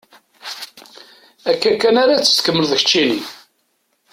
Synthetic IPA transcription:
ækːækːænaɾat͡sːə̥st̪kəmːəlðəçt͡ʃːini

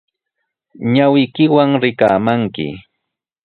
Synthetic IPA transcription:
ɲawɪjkɪwaŋɾɪkaːmaŋkɪ̰

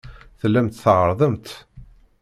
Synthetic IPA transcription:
θəlːæmt̪θʕəɾˤðˤəmt̪

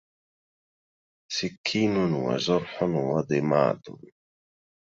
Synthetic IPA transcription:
sɪkʰːiːnʊnwa̰zʊɾˤħʊnwɑd̪ɪma̰ːd̪ʊ̰n

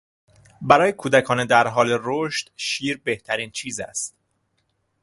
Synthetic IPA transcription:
bæɾɒːjekʰuːd̪ækʰɒːned̪æɾɦɒːle̞ɾoʃt̪ʃiːɾbe̞ht̪ʰæɾiːnt͡ʃʰiːzæ̰st̪̚

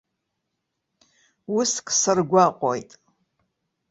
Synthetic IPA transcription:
uskʰʼsɨrɡʷaqʷʼojtʼ

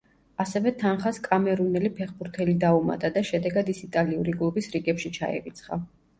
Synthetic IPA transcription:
asɛvɛt̪ʰanχaskʼamɛɾunɛlipʰɛχbuɾt̪ʰɛlid̪auma̰t̪ʼad̪aʃɛd̪ɛɡad̪isit̪ʼaliuɾikʼlˠubisɾiɡɛpʃit͡ʃʰa̰ɛ̰ɾit̪sʰχa̰

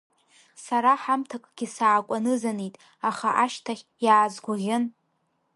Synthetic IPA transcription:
saɾaħamtʰakʼɡ̥ʲisaːkʷʼanɨzanijtʼ | aχaʔaʃtʰaχʲjaːzɡʷʊʁʲɪn

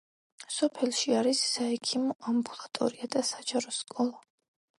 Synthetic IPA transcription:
sɔpʰɛlˠʃiaɾisːaɛkʰimɔʔambulˠat̪ʼɔ̰ɾiad̪asad͡ʒaɾɔskʼɔlˠa

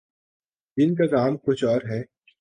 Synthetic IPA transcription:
ɪnk̬akaːmkʊt͡ʃʰɔːɾɦɛː

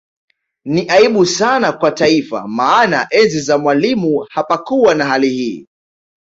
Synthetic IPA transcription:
niʔaiɓusanakwataifa̰maːnaʔɛnzizamwalimuhapakuwanaɦalihiː

